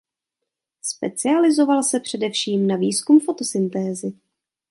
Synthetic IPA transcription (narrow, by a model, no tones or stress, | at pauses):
spɛt͡sɪalɪzo̞valsɛpr̥ɛdɛfʃiːmnaviːskumfo̞t̪o̞sɪnt̪ɛːzɪ